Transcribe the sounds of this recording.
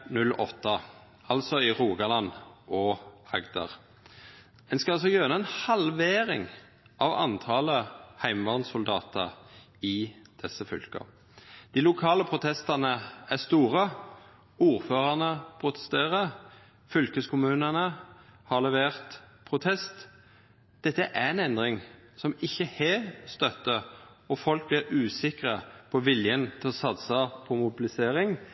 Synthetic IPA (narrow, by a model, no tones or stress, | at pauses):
nʉlɔ̰t̪ːə | ɑlsɔɪʁuːɡɑlɑnʔɔɑɡd̪ɑ̰ʁ | ɛnskɑɑsɔjøːʁənəɛnhɑlʋeːʁɪ̰ŋ | ʔɑʋɑ̰nt̪ʰɑːləhæɪmʋɑʁnsʊld̪ɑːt̪ʰə̰ʁ | ɪd̪̥ɛsːəfʏ̰lkə̰ | d̪̥iːlʊkʰɑːləpʰʁʊt̪ʰɛst̪ɑʁnəæst̪uːʁə | uːʁføːʁəʁnəpʰʁʊt̪ə̥st̪eːʁə | fʏlkəskʊmʉːnənəhɑʁlɛʋeːʁt̪pʰʁʊt̪ʰɛst̪ | d̪̥ɛt̪ːəʔæʁɛnɛnd̪ʁɪŋsɔmɪçːəheːst̪œt̪ːə | ɔfɔlk̚blɪʁʉːsɪkʁəpʰɔʋɪljənt̪ʰɪlɔsɑt̪səpʰɔmʊbɪlɪseːɾɪŋ